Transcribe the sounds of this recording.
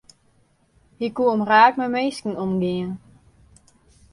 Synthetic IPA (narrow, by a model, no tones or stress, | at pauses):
hikuəmraːkmɛmeːskn̩omɡiən